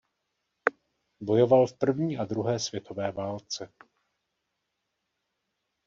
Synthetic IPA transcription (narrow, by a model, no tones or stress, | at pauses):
bo̞jo̞valfpr̩vɲiːʔad̪ɾuɦɛːsv̥jɛt̪ʰo̞vɛːvaːlt͡sɛ